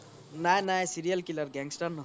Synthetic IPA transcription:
najnajsiɾijʌlkilʌrɡaŋsʈanː

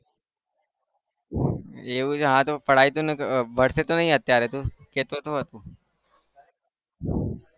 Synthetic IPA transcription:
eʋũd͡ʒɦãt̪opəɽait̪ũnbʱəɽset̪onəɦĩət̪jaɾet̪ũket̪ot̪oɦət̪ũː

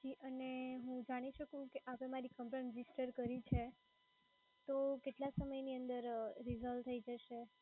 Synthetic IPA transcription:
d͡ʒiʔəneɦũd͡ʒaɽ̃iʃəkũkeʔapẽmaɾikəmpɾəɾɪd͡ʒisʈəɾkəɾit͡ʃʰe | t̪okeʈlasəməjniənd̪əɾɾizəlʈt̪ʰːəid͡ʒəʃe

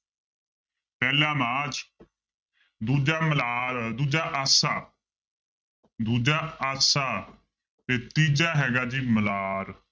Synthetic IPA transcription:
pɛːlãːmãːt͡ʃ | d̪uːd͡ʒaːməlaːɾd̪uːd͡ʒaːʔaːsaː | d̪uːd͡ʒaːaːsaː | t̪eːt̪iːd͡ʒaːɦɛːɡaːd͡ʒiːməlaːɾ

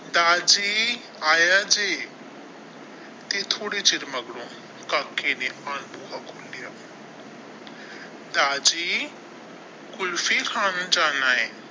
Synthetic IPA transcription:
d̪aːd͡ʒi | aːjad͡ʒeː | t̪et̪ʰoːɽit͡ʃɪɾmɐɡɽõ | kakːenepaːnbukakʰolːija | d̪aːd͡ʒi | kʊlfikʰaːnd͡ʒaːnaːe

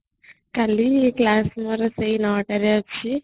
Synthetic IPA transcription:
kalieklasməɾseinaʈəɾjat͡ʃʰi

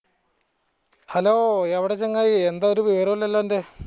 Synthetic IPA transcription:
hɐloːeʋiɽet͡ɕːeŋːaːjiend̪aoɾuʋiʋɐɾɐʋilːɐlːɐnde

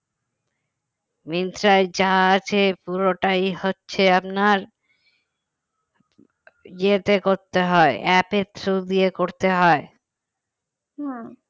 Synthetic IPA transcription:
mint̪ɾaed͡ʑaat͡ɕʰepuɾoʈajhotːɕʰeapnaɾ | d͡ʑet̪ekoɾt̪eɦɔeʔɛpet̪ʰɾud̪iekoɾt̪eɦɔe

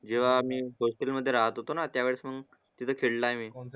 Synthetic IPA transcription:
d͡ʑeʋ̤amiːɦosʈelməd̪ʱːjeɾaɦət̪ɦot̪onat̪jaʋeɭsməɡ | t̪it̪ʰəkʰeɭlaemiː

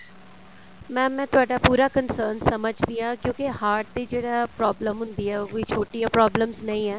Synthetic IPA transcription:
mɛ̃ːmɛ̃ːt̪ʊaːɖaːpuːɾaːkənsəːɾnsəməd͡ʒd̪ijãːkjõːkehaːɾʈ̚d̪eːd͡ʒeːɽaːpɾɔːbləmɦʊ̃nd̪iːɛːkoːit͡ʃʰoːʈijãːpɾɔːbləmznəĩːɛː

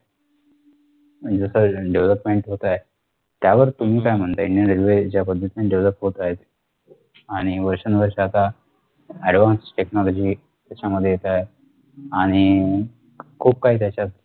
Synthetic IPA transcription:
d͡zəsəɖeʋləpmeɳʈɦot̪aj | t̪jaʋəɾt̪um̤iːkajm̤əɳt̪aiɳɖijənɾilʋed͡ʑjapəd̪ʱːət̪inaɖeʋləp̚ʈɦot̪aɦet̪ | aɽ̃iʋəɾʂənʋəɾʂat̪a | ɛɽʋãnsʈeknɔlɔd͡ʑiː | t̪jat͡ɕaməd̪ʱːjejet̪ae | aɽ̃i | kʰuːp̚kaɦiːt̪jat͡ɕat̪̚

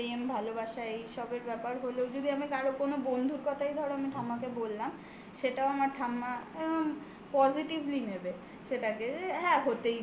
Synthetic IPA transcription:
iembʱalobaʃajʃɔbeɾbɛpaɾɦoleod͡ʑod̪iamikaɾokonobond̪ʱuɾkɔt̪ʰajd̪ʱɔɾeamiʈʰamakebolːam | ʃeʈaoamaɾʈʰamːa | pɔziʈiblinebe | ʃeʈakeɦɛ̃ɦot̪ej

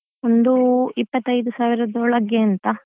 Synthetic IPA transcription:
ond̪uipːɐt̪ːɐjd̪usaːʋiɾɐd̪oːɭɐɡeɐnt̪ɐ

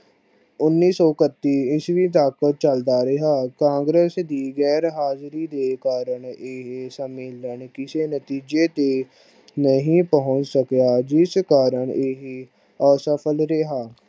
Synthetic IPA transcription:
ʊnːiːsɔːkət̪ːiːɪsʋiːt̪aːkət̚t͡ʃəld̪aːɾɪɦaːkãːŋɡɾeːsd̪iːɣɛːɾɦaːzɾiːd̪eːkaːɾəɳeɦsəmeːləɳkɪseːnət̪iːd͡ʒeːt̪eː | nəɦĩːpəɦʊ̃t͡ʃsəkjaːd͡ʒɪskaːɾəɳeɦ | əsəpʰəlɾeɦaː

